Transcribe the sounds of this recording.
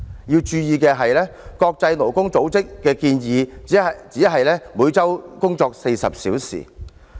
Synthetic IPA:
jiː˧wt͡ʃyː˧jiː˨˧kɛː˧ɦɐ˨jlɛː˥kɔː˧k̚t͡sɐ˧jno˨˩wkʊ˥ŋt͡so˨˥wt͡sɪ˥kːɛː˧kiː˧njiː˨˧t͡siː˨˥ɦɐ˨jlɛː˥muː˨˧jt͡sɐ˥wkʊ˥ŋt͡sɔː˧k̚se˧jsɐ̰˨p̚sḭː˨˥wsḭː˨˩

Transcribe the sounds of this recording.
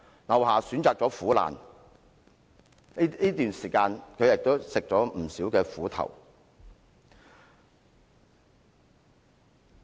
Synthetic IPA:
lɐ˨˩whaː˨syː˨˥nt͡saː˨k̚t͡sɔː˨˥fuː˨˥la̰ː˨˩n˥ | iː˥t̪yː˨˩nsiː˨˩kaː˧nkʰɵ˨˧ɥjɪ˨k̚t̪o˥wsɪ˨k̚t͡sɔː˨˥m̩˨˩siː˨˥wkɛː˧fuː˨˥t̪ʰɐ̰˨˩w

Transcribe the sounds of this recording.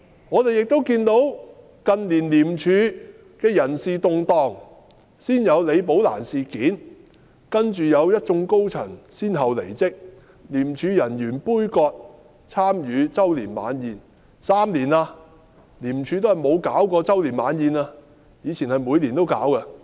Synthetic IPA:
ŋɔː˨˧t̪e˨jɪ˨k̚t̪o˥wkiː˧nt̪o˨˥w | kɐ˨nliː˨˩nliː˨˩mt͡ʃʰyː˨˧ | kɛː˧jɐ˨˩nsiː˨t̪ʊ˨ŋt̪ɔː˨˧ŋ | siː˥njɐ˨˧wle˨˧jp̬o˨˥wla̰ː˨˩nsiː˨kiː˨˥n | kɐ˥nt͡ʃyː˨jɐ˨˧wjɐ˥t̚t͡sʊ˧ŋko˥wt͡sʰɐ˨˩ŋsiː˥nɦɐ˨wlḛ˨˩jt͡sɪ˥k̚ | liː˨˩mt͡ʃʰyː˨˧jɐ˨˩njyː˨˩npuː˥jkɔː˧k̚ | t͡sʰaː˥mjyː˨˧t͡sɐ˥wliː˨˩nma̰ː˨˥njiː˨˧n | saː˥mliː˨˩naː˧ | liː˨˩mt͡ʃʰyː˨˧t̪o˥whɐ˨jmo˨˧wkaː˨˥wkɔː˧t͡sɐ˥wliː˨˩nmaː˨˧njiː˨˧naː˧ | jiː˨˧t͡sʰiː˨˩nhɐ˨jmuː˨˧jliː˨˩nt̪o˥wka̰ː˨˥wkɐ˧

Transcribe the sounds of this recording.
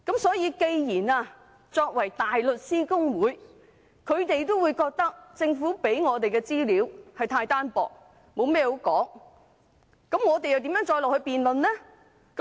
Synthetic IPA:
kɐ˨˥msɔː˨˥jiː˨˧ke˧jjiː˨˩naː˧ | t͡ʃɔː˧k̚wɐ˨˩jt̪aː˨jlɵ˨t̚siː˥kʊ˥ŋwuː˨˥j | kʰɵ˨˧ɥt̪e˨jt̪o˥wuː˨˧jkɔː˧k̚t̪ɐ˥k̚t͡sɪ˧ŋfuː˨˥pe˨˥jŋɔː˨˧t̪̬e˨jkɛ˧t͡siː˥liː˨˥whɐ˨jt̪ʰaː˧jt̪aː˥npɔ̰ː˨k̚ | mo˨˧wmɛː˥ho˨˥wkɔ̰ː˨˥ŋ | kɐ˨˥mŋɔː˨˧t̪e˨jɐ˨wt̪i˨˥mjœː˨˥ŋt͡ʃɔː˧jlɔː˨k̚hɵ˧ɥpiː˨nlɵ˨nɛː˥ | k

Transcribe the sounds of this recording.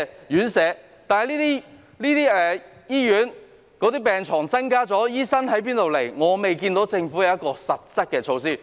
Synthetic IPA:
jyː˨˥nsɛː˨˥ | t̪aː˨nhɐ˨˩liː˥t̪iː˥ | liː˥t̪iː˥ɛː˨jiː˥jyː˨˥n | kɔː˨˥t̪iː˥pɛː˨ŋt͡ʃʰɔː˨˩ŋt͡sɐ˥ŋkaː˥t͡sɔː˨˥jiː˥sɐ˥nɦɐ˨˥jp̬iː˥nt̪o˨wle˨˩jŋɔː˨˧me˨jkiː˧nt̪o˨˥wt͡sɪ˧ŋfu˨˥jɐ˨wɐ˥t̚kɔː˧sɐ˨t̚t͡sɐ˥t̚kɛː˧t͡sʰo˧wsiː˥˩

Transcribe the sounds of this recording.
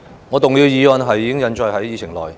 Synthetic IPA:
ŋɔː˨˧t̪ʊ˨ŋjiː˨˧wjiː˨˧wɐ˧nɦɐ˨jːiː˧kɪ˥ŋjɐ˨˧nt͡ʃɔː˧jɦɐ˨˥jjiː˨˧t͡ɕʰɪ˨˩ŋlɔ̰ː˨˩j

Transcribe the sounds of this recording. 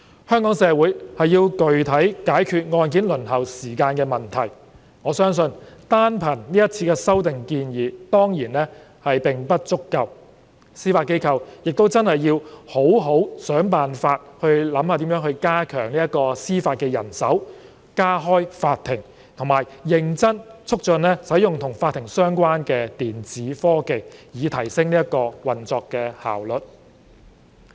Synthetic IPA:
hœː˥ŋkɔː˨˥ŋsɛː˨˧wuː˨˥jhɐ˨jːiː˧wkɵ˨ɥt̪ʰɐ˨˥jkaː˨˥jkʰyː˧t̚ŋɔː˧nk̬iː˨˥nlɵ˨˩nɦɐ˨˩wsiː˨˩kaː˧nkɛː˧mɐ˨˩nt̪ʰɐ˨˩j | ŋɔː˨˧sœː˥ŋsɵ˧nt̪aː˥npʰɐ˨˩nniː˥jɐ˥t̚t͡sʰiː˧kɛː˧sɐ˥wt̪ɪ˨ŋkiː˧njiː˨˧t̪ɔː˥ŋjiː˨˩nɛː˥ | hɐ˨jpɪ˨ŋpɐ˥t̚t͡sʊ˥kːɐ˧w | siː˥faː˧t̚ke˥jkʰɐ˧wjɪ˨k̚t̪o˥wt͡sɐ˥nhɐ˨jːiː˧who˨˥wɦo˨˥wsœː˨˥ŋpaː˨nfaː˧t̚hɵ˧ɥlɐ˨˥mhaː˧t̪i˨˥mjœː˨˥ŋhɵ˧ɥkaː˥kʰœː˨˩ŋliː˥jɐ˥t̚kɔː˧siː˥faː˧t̚kɛː˧jɐ̰˨˩nsɐ˨˥w | kaː˥ɦɔː˥jfaː˧t̪̚ʰɪ˨˩ŋ | t̪ʰʊ˨˩maː˨jːɪ˧ŋt͡sɐ˥nt͡sʰʊ˥k̚t͡ʃɵ˧nɛː˥sɐ˨˥jʊ˨ŋt̪ʰʊ˨˩ŋfaː˧t̪ʰːɪ˨˩ŋsœː˥ŋkʷwaː˥nkɛː˧t̪iː˨nt͡siː˨˥fɔː˥ke˨jjiː˨˧t̪ʰɐ˨˩jsɪ˥ŋniː˥jɐ˥t̚kɔː˧wɐ˨nt͡sɔː˧kːɛː˧ha̰ː˨˩wlɵ˨t̚

